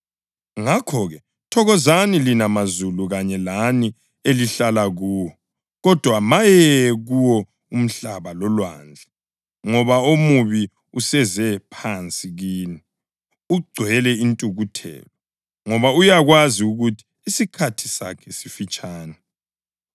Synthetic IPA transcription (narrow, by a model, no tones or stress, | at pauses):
ŋakʰɔɣɛ | tʰɔɣɔzanilinamazuluɣaɲɛlani | eliɬalaɣuːwɔ | ɣɔd̥ʱwamajɛɣuwɔ | um̩ɬaβalɔlwa̰nd͡ɮʱa | ŋɔβaomuβi | usɛzɛpʰant͡sʼiɣiːni | uɡ͡ǀʱwɛlɛintʼuɣutʰɛ̰ːlɔ | ŋɔβaujaɣwaziuɣutʰi̥ːsikʰatʰi̥sa̰kʰɛsifit͡ʃʼaːnɛ